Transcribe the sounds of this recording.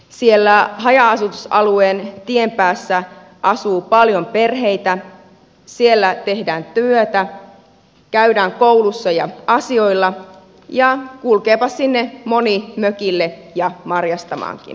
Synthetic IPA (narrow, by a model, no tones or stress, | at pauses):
sielːæɦɑjɑɑsut̪usɑlueːnt̪iempæːsːæ | ʔɑsuːpɑljompe̞rɦeit̪æ | sielːæt̪ehdæːnt̪yøt̪æ | kæydæːŋkowlusːɑjɑ̰ɑsio̞ilːɑ | jɑkulkeːpɑssinːemo̞nimøkilːe | jɑmɑrjɑst̪ɑmɑ̰ːŋkḭn